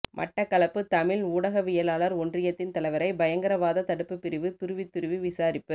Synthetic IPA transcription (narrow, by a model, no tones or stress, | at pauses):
mʔɐ̰ʈːɐkːɐɭɐpːɯt̪ɐmɪluːɽɐɣɐʋɪjɐlaːlɐɾɔndrɪjɐt̪ːɪnt̪ɐlɐɪʋɐɾɐɪbɐjɐŋɡɐɾɐʋaːðɐt̪ɐɽɯpːɯpːɪɾɪʋɯt̪ʊɾɯʋɪt̪ːʊɾɯʋɯʋɪsaːɾɪpːɯ